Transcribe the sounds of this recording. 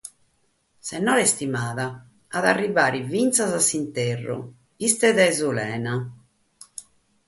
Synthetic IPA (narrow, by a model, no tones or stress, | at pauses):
sɛnːɔlest̪imaːðaː | ðarːivaːɾivint̪sazasːint̪erːṵ | pist̪ɛðaɛzulɛːna